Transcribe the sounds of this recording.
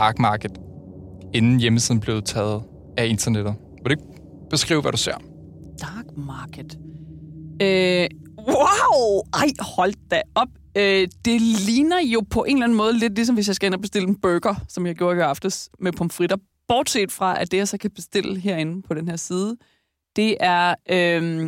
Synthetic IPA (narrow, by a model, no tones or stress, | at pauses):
d̥ɑ̈ːɡ̥mɑ̈ːɡ̥əd̥ | e̝nn̩jeməsiðˠn̩b̥le̝ːt͡sʰɛːð̩ˠ | æe̝nt͡sʰɐned̥ð̩ˠ | ʋeɾeɡ̚ | b̥e̝sɡ̥ʁḭːʊʋæɾ̥use̝ɐ̰ | d̥ɑ̈ːɡ̥mɑ̈ːɡ̥əd̥ | ø | waʊɑɪhɒ̽l̰d̥̚ːæɒ̽b̥ | ød̥e̝lliːnɐjo̝pʰɒ̽ʔe̝nlæn̩mɔ̽ːð̞ˠəle̝d̥lis̬ɒ̽mʋesjɑɪsɡ̥æe̝n̰ɐb̥e̝sd̥e̝l̰əb̥øɡ̥ɐsɒ̽mjɑɪɡ̥jo̝ːɐɡøɑ̈fd̥əsmepʰɒ̽m̥fʁid̥ɐ | b̥ɒːd̥se̝̰ːd̥fʁɑ̈ʔæd̥e̝jɑ̈sɒ̽kʰæb̥e̝sd̥e̝l̰əɦeɐ̰e̝nn̩pʰɒ̽ɾ̥enɦe̝ɐ̰siːðˠə | d̥e̝ʔæɐʔøm